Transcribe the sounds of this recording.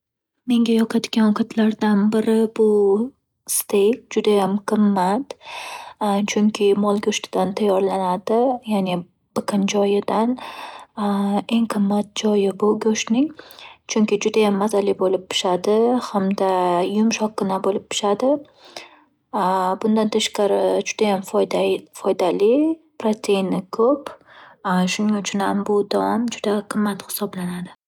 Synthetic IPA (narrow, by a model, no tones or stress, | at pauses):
me̞ŋɡʲajɒqʰɑt̪ɡʲanwɒqʰɑt̪ʰlaɾd̪anbɪɾɪbʊ | st̪ʰekʲd͡ʒʊd̪ajamqʰɨmːat̪ | t͡ʃʰʊŋkʲʰɪmɒlˠɡʲoʃt̪ʰɪ̥d̪ant̪ʰajːɒɾlanad̪ɪjane | b̥ɪqʰɨnd͡ʒɒjɪd̪an | e̞ŋqʰɨmːat̪̚d͡ʒɒjɪbʊɡʲɵʃnɪŋt͡ʃʰʊŋkʲɪd͡ʒʊd̪ajamːazalibolɪp̚pʰɪ̥ʃad̪ɪhamd̪ajʊmʃɒq̚ːʊnabolɪp̚pʰːɪ̥ʃad̪ɪ | bʊnd̪ant̪ʰaʃqɑɾɪd͡ʒʊd̪ajam | fɒjd̪alɪ | pɾot̪ʲʰe̞jnɪkʰɵp | ʃʊnɪŋʊt͡ʃʰʊnhambʊd̪awɒmd͡ʒʊd̪aqʰɨmːat̪hɪ̥sɒblanad̪ɪ